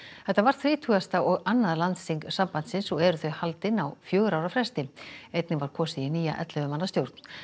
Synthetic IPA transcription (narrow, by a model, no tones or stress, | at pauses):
θɛht̪ːavaɾ̥θɾɪːt̪ʰuːɣast̪aɔɣanːaðlant̪siŋksampant̪sɪnsɔɣɛɾʏθœɥjhalt̪ɪnawfjœːɣʏɾawɾafɾɛst̪ɪejt̪nɪnvaɾ̥kʰɔːsijɪniːja̰ʔɛ̰t̪lɛvʏmanːast̪jowɾt̪n̥